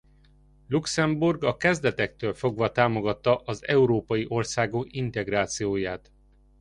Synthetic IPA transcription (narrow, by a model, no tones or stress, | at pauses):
luksɛmburɡɒkɛzd̪ɛt̪ɛk̚t̪øːlfo̞ɡʋɒt̪aːmo̞ɡɒt̪ːɒʔɒzɛ̰uɾoːpɒjiʔo̞rsaːɡokint̪ɛɡraːt̪sijoːjaːt̪